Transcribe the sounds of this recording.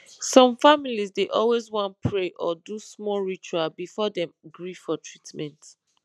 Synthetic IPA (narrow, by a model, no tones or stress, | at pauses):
sɔ̃mfamilizdeʔɔlwezwɔ̃npʰɹeʔɔdusmɔlɹit͡ʃualbifɔdɛ̃mɡɹifɔtʰɹitmɛ̃nt